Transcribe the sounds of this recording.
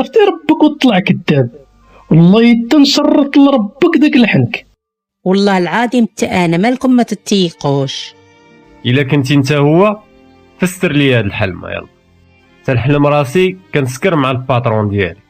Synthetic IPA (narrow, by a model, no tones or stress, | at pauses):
ɑft̪iɾˤɑbːəkwt̪ˤːlɑʕkəd̪ːæb̚ | wɑlˤːɑjəd̪ːænsɑrˤːət̪ˤlɾˤɑbːəkd̪ækləħənək | wɑlˤːɑhlʕad̪imət̪ːaʔænæmælkʊmːæt̪ət̪ːiquʃ | ʔəlːækənt̪̬int̪æhʊwːæ | fəst̪əɾlihæd̪əlħalmæ̰jɑ̰lˤːɑ | t̪ælħaləmɾˤɑsikænəskəɾmʕalpɑt̪ˤɾˤund̪jæ̰li